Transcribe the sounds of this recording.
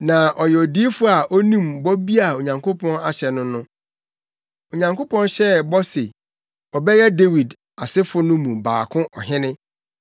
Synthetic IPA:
nã˨ʔɔ˨jɛ˨ɔ˨di˦fʊ˦a˨ʔɔ˦nĩ˦mbɔ˦bi˦a˨o˨ɲã˨ŋkʰʊ˦pʰɔ̃˦na˨ɕɛ˨nʊ̃˦nʊ̃˦ | o˨ɲã˨ŋko˦pɔ̃˦nɕɛ˦bɔ˦se˨ | ɔ˨bɛ˦jɛ˦de˦wi˨d | a˨sɪ˦fʊ˦nʊ̃˦mũ˨ba̰ː˨kʰʊ̃˦ʔɔ˨ɦɪ̃˦nɪ̃˦

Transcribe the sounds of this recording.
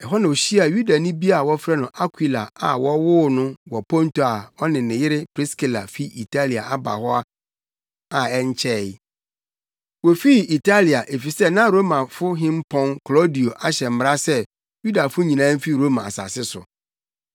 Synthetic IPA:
ɛ˨ɦɔ˦nã˨o˨ɕi˦a˨ju˦da˨nʊ̃˦bi˦a˨wɔ˦fɾɛ˦nʊ̃˨˦ʔa˦kʰwi˨la˨a̰˨wɔ˦wʊ˦nʊ̃˦wɔ˨pʰɔ̃˦n˦tʰo˨a˨ɔ˦nɪ̃˨nɪ̃˨jɪ˦ɾɪ˦pʰɾɪ˦ski˦˨la̰˨fi˦i˨tʰa˦li˨a̰˨a˦ba̰˨hɔ˦a˦ | a˨ɛ˦ɲ˦t͡ɕʰɛ˦˨˦ | wo˨fi˦˨i˨tʰa˦li˨a˨ʔe˨fi˨sɛ˦nã˦ɾo˦mã˨fʊ˦ɦɪ̃˦mpʰɔ̃˦nkʰlɔ˦di˨o˨ʔa˦ɕɛ˨m̩˨m˦ɾa˦sɛ˦ | ju˦da˨fʊ˦ɲĩ˨nãː˦m̩˦fi˦ɾo˦mã˨a˨sa̰˨sɪ˦sʊ̰˨

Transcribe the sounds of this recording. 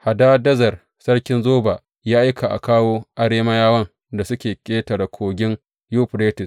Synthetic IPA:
ha˨da˦dɐ˦zɐ˨r | sɐ˦ɽkʲɪ˦nzoː˦baː˨ | jaː˦ʔa˦jkʰa˨ʔa̰˨kaː˦woː˦ʔa˦ɽeː˦ma˦jaː˦wɐ˦n | da˨sʊ˦kʲeː˨kʲʼeː˦tɐ˨ɽa˨kʷʰoː˨ɡʲɪ˦ŋ | juː˦ɸɽeː˦tɪ˨s

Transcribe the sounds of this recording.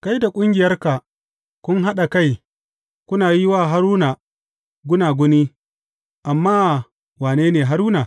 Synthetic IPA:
ka˦jda˨kʷʼʊ˦ŋɡʲɪ˨jɐ˦rka˨ | kʷʊ˦ŋɦa˦ɗa˨ka˦j | kʷʊ˦naː˨ji˦waː˦ɦa˦ɾuː˦na˨ | ɡʷʊ˦naː˨ɡʷʊ˦ni˦ | ʔa˨mːaː˦˨ | waː˨neː˦neː˨ɦa˦ɾuː˦naː˨

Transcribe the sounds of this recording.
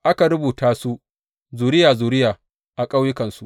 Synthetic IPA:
ʔa˦ka˨ɾʊ˦buː˨taː˦su˦ | zuː˨ɾɪ˦jaː˨zuː˨ɾɪ˦jaː˨ | ʔa˨kʼa˦wjɪ˦kɐ˨nsu˦ʔ

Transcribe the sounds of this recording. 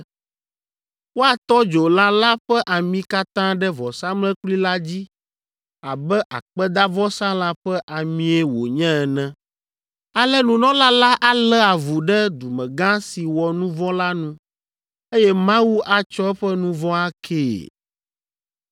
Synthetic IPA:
wo˦a˨t̪ɔ˦d͡ʒo˨la˦la˦ɸɛ˦ʔa˨mĩ˨ka˦t̪ã˦ɖɛ˦vɔ˨sã˦mlɛ̃˦kli˦la˦d͡ʑi˦ | a˨bɛ˦ʔa̰˨k͡pɛ˦d̪a˦vɔ˦sã˦la˦ɸɛ˦ʔa˨mĩ˦ɛ˦wo̰˨ɲɛ̃˦ɛ˨nɛ̃˦ | a˨lɛ˦nũ˨nɔ̃˦la˦la˦ʔa˦˨lɛ˦a˨vu˨ɖɛ˦d̪u˨mɛ̃˨ɡã˦si˨wɔ˨nũ˦vɔ̃˦la˦nũ˦ | e˦jɛ˦mã˦wu˦ʔa˨t͡ʃɔ˦ɛ˦ɸɛ˦nũ˦vɔ̃˦a˦kʰeː˦˨

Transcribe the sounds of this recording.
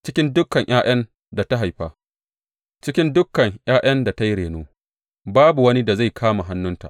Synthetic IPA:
t͡ʃɪ˦kʲɪ˦ndʊ˦kːɐ˨ŋʔj̰ʔaː˦j̰ɐ˦n | da˨ta˦ɦa˨jɸaː˦ | t͡ʃɪ˦kʲɪ˦ndʊ˦kːɐ˨ŋjʔaː˦j̰ɐ˦nda˨ta˦jɽeː˨noː˦ | baː˦bu˨wɐ˦ni˦da˨za˦˨jkʰaː˦ma˨ɦa˦nːʊ˦nta̰˨ʔ

